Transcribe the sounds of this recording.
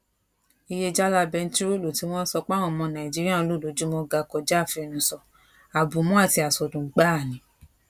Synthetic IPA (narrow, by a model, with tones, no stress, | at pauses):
i˧je˧d͡ʒa˦la˧bɛ˧n̩˦ti˦ɾo˦lo˨ti˨˦w̃ɔ̃˦n̩˦sɔ˧k͡pã˦ɔ̃˦˨mɔ̃˧nã˨i˨d͡ʒi˦ɾi˦ã˦˧lo˦˨lo˨˦d͡ʒu˦mɔ˧ɡa˧kɔ˧d͡ʒa˦˨fi˧ɛ˧˨nũ˧˦sɔ˨ | a˨bu˨mɔ̃˨˦a˦˨ti˧a˨sɔ˨dũ˨˦ɡ͡ba˦˨nĩ˨˦